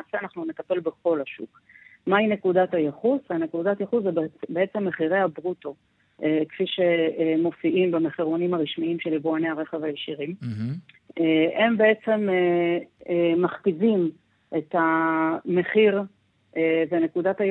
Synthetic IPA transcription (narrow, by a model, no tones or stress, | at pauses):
aːseanaχnunet̪ape̞lbeχo̞laʃṵk | maine̞kudatajeχusane̞kudatjeχuszebbeet͡se̞mːe̞χiʁe̞jhabʁuto̞ | ekfiʃe̞mo̞fiʔimbemeχiʁonimaʁiʃmiimʃeliboaneaʁe̞χevajeʃiʁim | ee̞mbe̞e̞t͡se̞me | maχkivim | ʔe̞tame̞χiʁ | evene̞kudatha